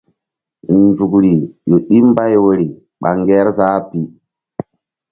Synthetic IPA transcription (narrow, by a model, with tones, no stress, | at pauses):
nd͡ʒu˨kɾi˨jo˨ɗi˦mba˦jwo˨ɾi˨ | ɓa̰˨ŋɡɛ˦ɾzaː˦pi˦